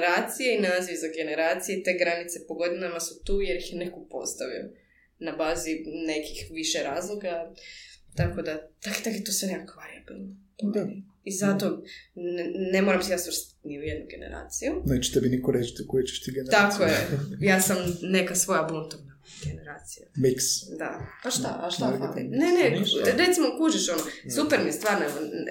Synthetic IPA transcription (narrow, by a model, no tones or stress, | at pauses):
ɾaːt̪sijeinaziʋzaɡe̞neɾaːt̪sijet̪e̞ɡɾanit̪se̞poɡo̞d̪inamasut̪uːjeɾjixjne̞kopo̞̰st̪aʋḭjo̰ | nabaːzine̞kixʋiʃeɾaːzlˠo̞ɡa | t̪ako̞d̪at̪aket̪aket̪osʋenekakʋaɾiabḭlˠno | o | izat̪o̞nnemoɾamsejasʋəɾst̪t̪ḁt̪niujed̪nuɡe̞nḛɾa̰ːt̪sijunet͡ʃʃt̪ɛbinikoɾet͡ʃt̪ukojet͡ʃɛ̥ʃt̪iɡenakojejaːsamne̞kasʋo̞jabunt̪ovna | ɡe̞ne̞ɾaːt̪sijamiksd̪a̰aʃt̪aʔaʃt̪aafḭneneɾe̞t̪simokuːd͡ʒiʃonosupeɾniest̪ʋaːɾneko